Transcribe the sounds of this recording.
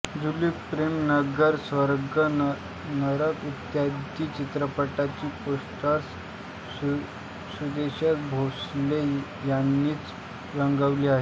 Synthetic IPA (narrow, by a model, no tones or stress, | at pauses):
d͡zulikpɾemnəɡəɾsʋəɾɡə | nəɾəkut̪jad̪iːt͡ɕit̪ɾəpəʈat͡ɕiːposʈəɾs | sud̪eɕat̪̚bʱosle | janːiːt͡s | ɾəŋɡəʋliːaɦe